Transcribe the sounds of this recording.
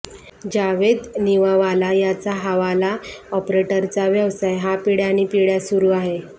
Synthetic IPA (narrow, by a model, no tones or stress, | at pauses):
d͡ʑaʋed̪niʋaʋalajat͡saɦaʋalaɔpɾeʈəɾt͡saʋjəʋsajɦapiɽjañipiɽjasuɾuːaɦe